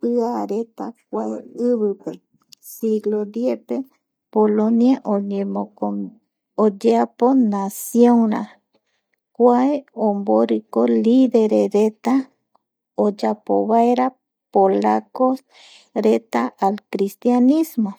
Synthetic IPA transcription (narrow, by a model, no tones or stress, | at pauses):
pɨaɾet̪ak̚ʷaeɨβɨpe | siɡlod̪jete | polonjaʔoɲẽmoo | od͡ʒeaponasjoŋɾa̰ | kʷaeomboɾikoliðeɾeɾet̪a | od͡ʒapo̰βaeɾa | polakos | ɾet̪aʔalkɾist̪janĩsmo